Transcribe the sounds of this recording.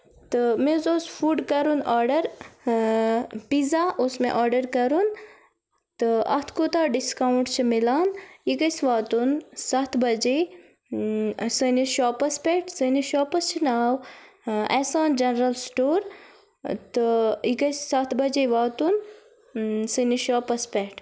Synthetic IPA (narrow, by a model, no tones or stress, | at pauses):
t̪ɨmẽzoːspʰuːɖkɐɾunaːɾɖɐɾ | pizaːʔʊsmḛ̃ʔaːɾɖəɾkɐɾun | t̪ɨɐ̰t̪ʰkot̪aːɖiskaːwɳʈt͡ʃʰimilaːnikɐsʋaːt̪unsɐt̪ʰbɐd͡ʒe | səniʃɔːpɐspɛːʈsəniʃɔːpɐst͡ʃʰinaːw | ɛːsaːnd͡ʒɐnɾɐlsʈoːɾ | t̪ikɐssɐt̪ʰbɐd͡ʒeʋaːt̪un | səniʃɔːpɐspɛːʈʰ